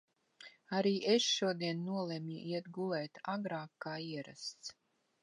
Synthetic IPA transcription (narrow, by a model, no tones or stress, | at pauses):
aɾiːʔesʃuɔd̪iɛnːuɔlˠɛmiʔiɛt̪ɡulɛjt̪aɡɾaːkːaːiɛɾa̰st̪s